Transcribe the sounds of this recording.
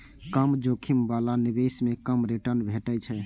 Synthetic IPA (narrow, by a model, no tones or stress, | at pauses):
kəmd͡ʒokʰimbalanibesmekəmɾiʈəɾnbʱeʈət͡ʃʰɛ